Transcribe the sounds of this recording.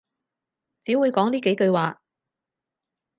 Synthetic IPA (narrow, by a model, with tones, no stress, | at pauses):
t͡siː˨˥wuː˨˧jkɔː˨˥ŋt̪iː˥ke˨˥jkɵ˧ɥwaː˨